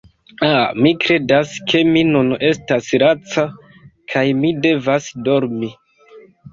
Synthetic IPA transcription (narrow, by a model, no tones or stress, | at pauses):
amikɾe̞daskʰe̞minune̞stasɾat͡sa | kʰajmide̞vasdo̞ɾmi